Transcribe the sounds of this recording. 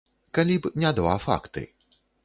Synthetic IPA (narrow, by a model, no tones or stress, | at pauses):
kalʲipnʲad̪va̰fa̰kt̪ɨ̰